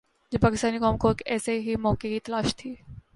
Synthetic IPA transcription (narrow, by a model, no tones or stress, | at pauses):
d͡ʒepaːkɪst̪aːnikɔːmkoekɛːseɦimɔːkekit̪ɐlaːʃt̪ʰiː